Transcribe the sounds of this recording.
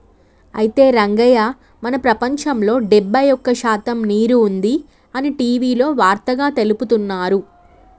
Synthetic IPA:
ɐjit̪e̞ːɾɐŋɡɐjaː | mɐnɐpɾɐpɐɲt͡ʃɐmlo̞ːɖɛbːɐjɔkːɐʃaːt̪ɐmniːɾuːnd̪i | ɐniʈiːʋiːlo̞ːʋaːɾt̪ɐɡaːt̪e̞luput̪unːaːɾu

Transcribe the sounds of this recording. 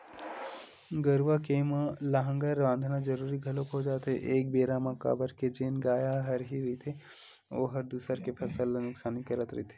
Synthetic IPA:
ɡəɾʋakemlaɦə̃ŋɡəɾʋãːnd̪ʱnad͡ʒɐɾuːɾiɡʱɐlokod͡ʒaːt̪ɦeʔeːk̚beːɾamaka̰ːbəɾked͡ʒeːnɡaːjaɦɐɾɦiɾit̪ʰe | oɦɐɾd̪uːsəɾkepʰɐsəlnʊksaːnikɐɾət̪ɾəit̪ʰe

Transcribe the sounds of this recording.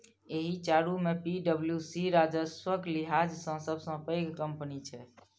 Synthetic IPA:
eɦit͡ʃaɽumepiɖəbljusiɾad͡ʒəswəkliɦad͡ʒsə̃səbsə̃pəjɡkəmpnit͡ʃʰɛ

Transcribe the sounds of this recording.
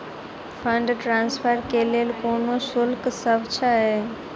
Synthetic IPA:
fʰɐ̃ɳɖʈɾãːnsfʰəɾkeːleəlkoːnosʊlksɐbt͡ʃʰaɦeː

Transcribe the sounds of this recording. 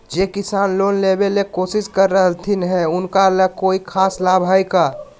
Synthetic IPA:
d͡ʒekɪsaːnloːnlebelekoːsɪskəɾːəɦəlt̪ʰinɦɛʊnkaləkoːikʰaːslaːbʱajka

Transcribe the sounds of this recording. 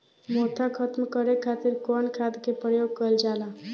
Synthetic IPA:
mot̪ʰakʰət̪mkəɾekʰat̪iɾkɔnkʰad̪kepɾəjoɡ̚kəld͡ʒala

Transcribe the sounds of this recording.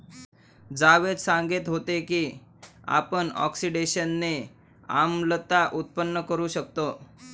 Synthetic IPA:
d͡zaʋed̪saŋɡet̪ɦot̪ekiː | a̰pəɳɔ̰ksiɖeɕənːe | a̰mlət̪aʔut̪̚pənːəkəɾuːɕək̚t̪o

